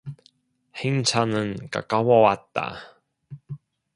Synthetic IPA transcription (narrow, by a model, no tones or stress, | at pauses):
hiŋt͡sʰanənka̰kawɔwat̪ːa̰